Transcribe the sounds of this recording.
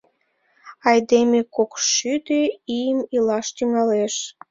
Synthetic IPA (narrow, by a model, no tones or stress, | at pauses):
ɑjd̪emekokʃyd̪eijəmilɑʃt̪yŋɑleʃ